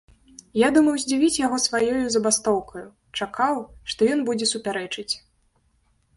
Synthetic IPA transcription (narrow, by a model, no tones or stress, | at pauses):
jad̪umɐwzʲd͡zʲivʲit͡sʲjaɣɔsvajɔjuzɐbast̪ɔwkɐju | t͡ʂakawʂt̪ɔjɔnbud͡zʲɛsupʲaɾɛt͡ʂɨt͡sʲ